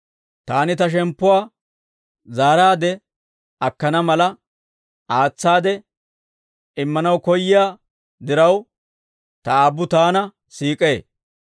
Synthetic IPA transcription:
t̪aːnɪt̪ɐʃ̬ɛmpːʊwaː | zaːɾaːd̪ɛ | ɐkːɐnɐmɐlɐ | aːt͡sːaːd̪ɛ | ɪmːɐnɐwkɔjːɪjaː | d̪ɪɾɐw | t̪ɐaːbːʊt̪aːnɐ | siːkʼeː

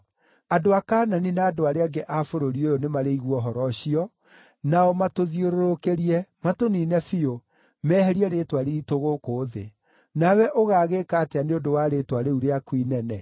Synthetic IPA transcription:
adoakaːnaninaːdoaɾeaɡeʔafoɾoɾiojonemaɾeiɣwɔɦɔɾɔɕiɔ | naɔmatoðioɾoɾokeɾiɛmatoninɛfio | mɛːhɛɾiɛɾetwaɾeitoɣokoːðḛ | nawɛʔoɣaːɣekaːteaneondowaɾetwaɾeuɾeakwinɛnɛ

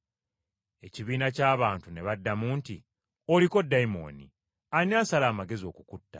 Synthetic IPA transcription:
e̞ciβiːnacaːβaːntune̞βadːamuːnti | o̞liko̞dːaimo̞̰ːnḭ | anɲaːnsalaːmaɡe̞zio̞̰kukutːa̰

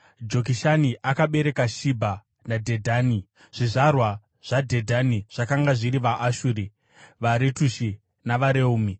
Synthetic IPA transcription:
d͡ʒo̞k̬iʃaniʔakaɓe̞ɾe̞kaʃibʱa | nadʱedʱaːni | ʐ̥iʐarwa | ʐ̥adʱe̞dʱaniʐ̥akaŋɡaʐiɾiʋaʔaʃuɾi | ʋaɾetuʃi | naʋaɾeuːmi

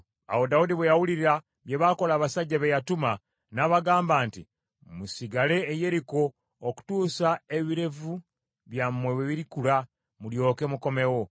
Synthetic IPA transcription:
a̰wo̞daudiβwejawuliɾiɾa | βje̞βaːko̞laːβasaɟːaβejatuma | naːβaɡaːmbaːnti | musiɡale̞ːje̞ɾiko̞ː | ku̥tuːsae̞βiɾe̞vu | βjamːwe̞we̞βiɾikula | muljo̞ːke̞muko̞me̞wo̞

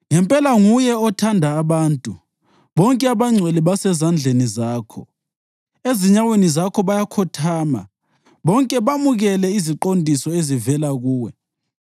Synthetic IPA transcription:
ŋɛmpʼɛlaŋujɛɔtʰandʱaːβaːntʼu | βɔŋkʼɛaβaŋ͡ǀʱwɛliβasɛzand͡ɮʱenizaːkʰɔ̰ | eziɲawenizakʰɔβajakʰɔtʰaːma̰ | βɔŋkʼɛβamuɣɛlɛiziǃondʱisɔezivɛlaɣuːwɛ

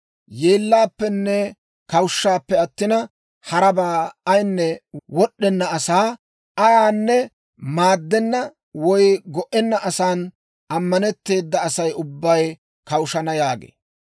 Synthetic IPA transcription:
jeːlːaːpːɛnːɛ | kɐwʊʃːaːpːɛɐt̪ːɪnɐ | hɐɾɐbaːɐjnːɛwɔɗːɛnːɐɐsaː | ɐjaːnːɛ | maːd̪ːɛnːɐ | wɔjɡɔʔɛnːɐʔɐsaːn | ʔɐmːɐnɛt̪ːe̞ːd̪ːɐːsɐjʊbːɐj | kɐwʊʃɐnɐjaːɡḛː

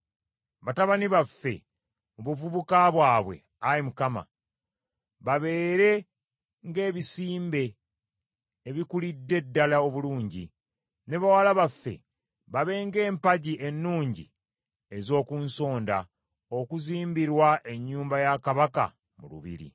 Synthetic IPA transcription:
βataβaniβafːe̞̰ | muβuvuβukaβwaːβwe̞̰ | aɾimukama̰ | βaβe̞ːɾe̞ | ŋɡe̞ːβisiːmbe̞ | βikulidːe̞dːalao̞βuluːɲɟḭ | ne̞βawalaβafːe̞̰ | βaβe̞ŋɡe̞ːmpaɟiʔe̞nːuːɲɟḭ | ezo̞ːkunso̞ːnda | o̞kuziːmbiɾwaʔe̞ɲːuːmbajakaβaka̰ | mṵlṵβḭɾḭ

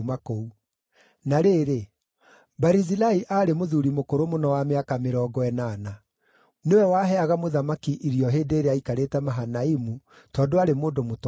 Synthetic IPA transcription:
makou | naɾeːɾe | baɾizilaiʔaːɾemoðuɾimokoɾomonɔwameakameɾɔːɡɔɛnaːna | newɛwaɦɛaɣamoðamakiʔiɾiɔɦeːndeːɾeaikaɾetɛmaɦanaimu | tɔːndoaɾemoːdomot

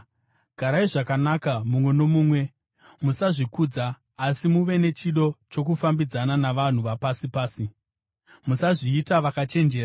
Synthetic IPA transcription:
ɡʱaɾaiʐakanakamumwe̞no̞muːmwe̞ | musaʐikuːd͡zaː | simuʋe̞ne̞t͡ʃiɗo̞t͡ʃo̞k̬ufambid͡zananaʋan̤uʋapasipaːsi | musaʐiːtaʋakat͡ʃe̞nd͡ʒe̞ːra

